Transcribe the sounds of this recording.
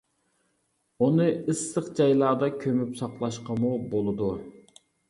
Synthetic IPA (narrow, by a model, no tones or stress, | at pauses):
unɨɨsːəqd͡ʒɑjlˠɑːd̪ɑkʲʰømypsɑqlˠɑʃqɑmubolˠɨd̪u